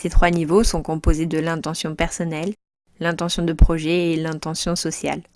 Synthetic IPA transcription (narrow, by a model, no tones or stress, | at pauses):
set̪χwanivosɔ̃kɔ̃pozed̪əlɛ̃t̪ɑ̃sjɔ̃pɛʁsɔnɛlː | ɛ̃t̪ɑ̃sjɔ̃d̪əpχɔʒɛelɛ̃t̪ɑ̃sjɔ̃sɔsja̰l